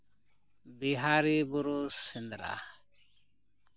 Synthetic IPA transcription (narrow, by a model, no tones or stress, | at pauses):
biɦaɾibuɾusind̪ɾa̰